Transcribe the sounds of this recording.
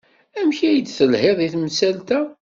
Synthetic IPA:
æmçæjəd̪θəlheðˤiθmsælt̪æ

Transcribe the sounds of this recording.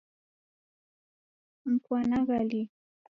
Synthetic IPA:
m̩pwanɑɢɑli

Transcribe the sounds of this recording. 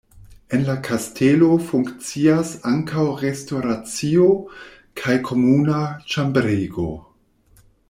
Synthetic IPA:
e̞nlakʰastʰelo̞fuŋkt͡siasaŋkawɾestoɾat͡sio | kʰajkʰo̞munat͡ʃambɾeɡo̞̰

